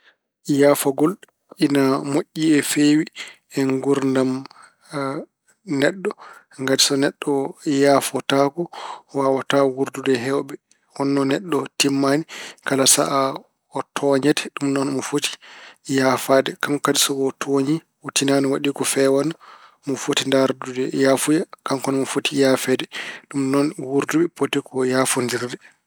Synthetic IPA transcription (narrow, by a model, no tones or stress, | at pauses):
jaːfaɡɔl | inamoʔʲːiɛfewi | ɛŋɡuɾndam | nɛɗːɔ | ŋɡadisɔnɛɗːɔjaːfɔtakɔwawatawuɾdudɛɦɛwbɛ | hɔnːɔnɛɗːɔtimːanikalasa̰ʔa | ɔtʰɔɲɛtɛ̥ɗumnɔnmɔfoti̥jafaːdɛkamkadisɔɡɔtʰoɲi | wutinanɔwaɗikɔfɛwana | mɔfotindaɾdudɛjafujakaŋkɔnɔmɔfotijaːfɛdɛɗumnɔnwuɾduɓɛpotɛkɔjaːfondiɾdɛ